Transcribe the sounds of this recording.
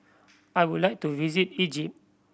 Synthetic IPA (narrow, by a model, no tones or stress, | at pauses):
ajwudlaɪk̚tuvizitid͡ʒip̚